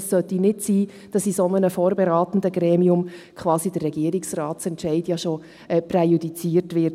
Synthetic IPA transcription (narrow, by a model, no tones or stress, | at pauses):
sːœtinɪtsiː | d̥ɑsisɔnənəfoːɾbɛɾɑːt̪n̩dəɡɾɛːmiʊmkʰʋɑːsidərːɛɡiːəɾɪksrɑːtt͡sɛntʃɛɪdjɑʃo | ɛːprɛjudit͡siːrtʋɪɾt